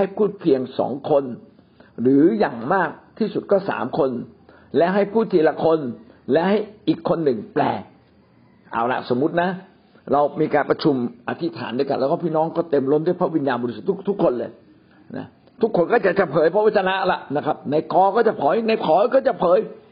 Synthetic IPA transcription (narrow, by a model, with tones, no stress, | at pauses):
ha˥˩jpʰuː˥˩t̪̚pʰi˧əŋsɔ̰ː˩˦ŋkʰo˧n | ɾɯː˩˦jaː˨˩ŋmaː˥˩k̚t̪ʰiː˥˩su˨˩t̪̚kɔː˥˩sa̰ː˩˦mkʰo˧n | lɛ˦˥ɦa˥˩jpʰuː˥˩t̪ʰːi˧la˧kʰo˧nlɛ˦˥ʔha˥˩jʔiː˨˩kʰːo˧nːɯ˨˩ŋplɛ̰ː˨˩ | ʔa̰ː˧˩wla̰˧˥ʔso˩˦mːu˦˥t̪̚na˦˥ | ɾa˧wmiː˧kaː˧npɾa˧t͡ɕʰu˧mʔa˧t̪ʰi˦˥t̪ʰa̰ː˩˦ndoː˧jka˧nlɛː˦˥wkɔː˥˩pʰi˥˩nɔː˦˥ŋkɔː˥˩t̪e˧mlo˦˥˩ndu˥˩˨jpʰa˦˥˩wi˧njaː˧nbɔ˧ɾi˧su˨˩t̪ʰːu˦˥t̪ʰːu˦˥kʰːo˧nlɤː˧j | na̰˦˥ | t̪ʰu˦˥kʰːo˧nkɔː˥˩t͡ɕa˨˩t͡ɕa˨˩pʰɤː˨˦jpʰɔ˦˥wa˧˥˩t͡ɕʰa˧na˦˥ʔla˨˩ʔna˦˥kʰa˦˥p̚na˧jkɔː˧kɔː˥˩t͡ɕa˨˩pʰɔː˨˩˦jna˧jpʰɔː˨˦jkɔː˥˩t͡ɕa˨˩pʰɤː˨˦j